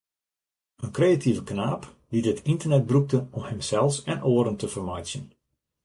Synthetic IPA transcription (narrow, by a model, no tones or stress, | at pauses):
ənkreatʰivəknaːp | didətʰintərnɛt̚bruk̚təɔmhəmsɛlˠfsɛnʔoːɾəntəfərmɔjsjən